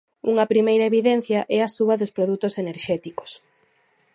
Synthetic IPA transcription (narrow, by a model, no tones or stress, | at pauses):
uŋɐpɾimejɾɐeβiðɛn̟θjɐʔɛɐsuβɐðospɾoðut̪oseneɾʃɛt̪iko̥s